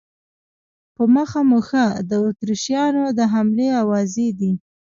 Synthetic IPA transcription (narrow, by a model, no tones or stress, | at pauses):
pəməxamuxəd̪əot̪ɾiʃjɑnod̪əɦamleawɑzed̪i